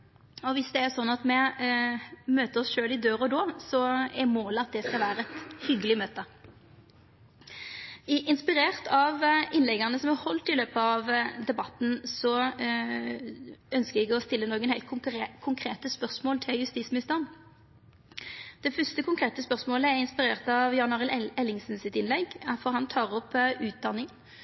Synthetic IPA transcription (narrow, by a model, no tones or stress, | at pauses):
ɔʋɪsd̪ɛæɾsɔnːɑt̪mɛ | møːt̪əɾɔsʃøːlɪd̪øːɾɔd̪oːsɔɛɾmoːləɑt̪̚d̪ɛskɑlʋæːɾəɛt̪hʏɡəlɪmøːt̪ə | ʔɪnspɪɾeːʁt̪ʰɑʋɪnlɛɡənəsɔmæhɔlt̪ɪløːpəɑʋd̪ɛbɑt̪n̩sɔ | œnskəɛɡɔst̪ɪlːənoːɡənhæɪt̪̚kʰʊŋkʰʁeːt̪əspœʁsmoːlt̪ʰɪljʉst̪iːsmɪɪst̪ɑn | d̪̥ɛfœst̪əkʊŋkʰʁeːt̪əspœʁsmoːləɛʁɪnspɪʁeːʁt̪ɑʋjɑnɑːʁɪlɛlːɪŋsn̩sɪt̪ɪnlɛɡfɔʁhɑnt̪ʰɑːʁɔpʉːt̪̚d̪ɑnːɪŋən